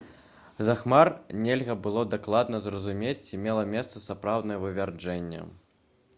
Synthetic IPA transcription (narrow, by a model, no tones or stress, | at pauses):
zaxmarnʲelʲɣɐbɨlˠɔd̪aklˠad̪nɐzrɐzumʲet͡sʲt͡sʲimʲɛlˠɐmʲɛst̪sɐsapɾawd̪nɐjɛvɨvʲard͡ʐɛnʲːɛ̰